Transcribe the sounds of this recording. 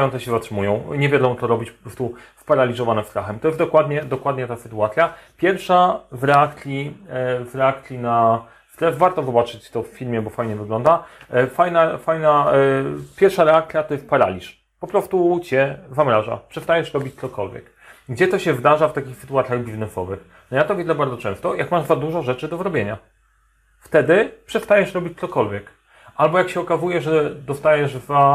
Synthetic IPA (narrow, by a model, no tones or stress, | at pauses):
jɔ̃nt̪ɛɕɛzatʂɘmujɔ̃w̃ɲɛvʲjad̪ɔ̃w̃t̪ɔɾɔbʲit͡ɕpɔ̥pɾɔst̪uspaɾalʲizɔvanɛst̪ɾaxɛmt̪ɔjɛst̪d̪ɔkwad̪ɲɛd̪ɔkwad̪ɲɛt̪asɘt̪uat̪sʲjapʲjɛɾfʂavɾɛakt̪ʲivɾɛakt̪ʲina | ft̪ɾɛvaɾt̪ɔvɨbat͡ʂɘt͡ɕt̪ɔffʲilmʲjɛbɔfajɲɛvɘɡlɔnd̪afajnafajna | pʲjɛɾfʂaɾɛak̚t̪sʲjat̪ɔjɛst̪paɾa̰lʲiʂ | pɔpɾɔst̪ut͡ɕɛzamɾaʐa̰pʂɛst̪ajɛʂɾɔbʲit͡ɕt̪sɔkɔlvʲjɛ̰k | ɡd͡ʑɛt̪ɔɕɛvd̪aʐaft̪akʲixsɘ̥t̪uwat̪sʲjaɣbʲiznɛsɔvɘx | nɔjat̪ɔvʲjed̪lɛbaɾd̪ɔt͡ʂɛ̰̃w̃st̪ɔjakmaʐd̪zad̪uʐɔʐɛt͡ʂɘd̪ɔzɾɔbʲjeɲa | ft̪ɛd̪ɘpʂɛst̪ajɛʂɾɔbʲit͡ɕʲt̪sɔkɔlvʲjɛk | ʔalbɔjakɕɛɔkazujɛʐɛd̪ɔst̪ajɛʐva